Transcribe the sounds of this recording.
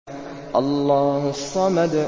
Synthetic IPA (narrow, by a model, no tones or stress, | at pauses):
ʔɑlˤːɑːhʊsˤːɑmad̪